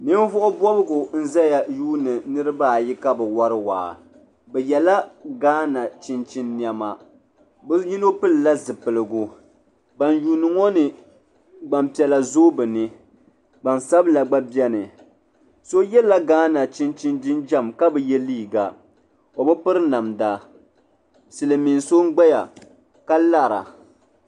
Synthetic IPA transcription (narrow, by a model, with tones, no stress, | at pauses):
ni˦n˦vʊ˦ʔʊ˦bɔ˦bɨ˦ɡʊ˨n̩˦za˦ja˨juː˦nɨ˨nɨ˦ɾɨ˦baː˦˨ji˦ka˦bɛ˨wa˦ɾɨ˦wa̰ː˨ | bɛ˨jɛ˨la˦ɡaː˦na˨t͡ʃɪ˦nt͡ʃi˦nːi˨a˦ma˨ | bɨ˦ji˦no˦pɨ˦lla˦zɨ˨pɨ˨lɨ˨ɡu˦ | ba˨njuː˨nɨ˨ŋɔ˦nɨ˨ | ɡ͡ba˨mpi˨ɛ˨la˨zo˦bɨ˨nɨ˦ | ɡ͡ba˨nsa˦bla˨ɡ͡ba˦bjɛ˦nɨ˨ | so˦jɛ˦la˦ɡaː˦na˨t͡ʃi˦nt͡ʃi˦ndi˦nd͡ʒa˦mka˦bɛ˨jɛ˦liː˦˨ɡa˨ | o˨bɨ˦pɨ˦ɾɨ˦na˨mda˦ | sɨ˨lɨ˨mi˨nso˦ŋ̩˦ɡ͡ba˦ja̰˨ | ka˦la˦˨ɾa̰˨